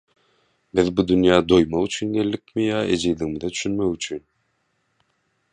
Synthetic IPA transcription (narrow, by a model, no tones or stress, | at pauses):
bɪðbud̪ynjɑːd̪ojmɑyt͡ʃʰynɡelːɪk̚ʲmɪjɑːed͡ʒijliŋmɪd̪ɛt̪ʰy̥ʃynmɛkyt͡ʃʰyn